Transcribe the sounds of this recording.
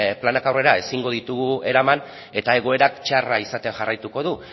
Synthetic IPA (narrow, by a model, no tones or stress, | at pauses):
planakawre̞ɾae̞siŋɡo̞ðit̪uɣ̞ue̞ɾaman | e̞t̪ae̞ɣ̞o̞e̞ɾakt͡ʃaraisat̪eʝarajt̪uko̞ðu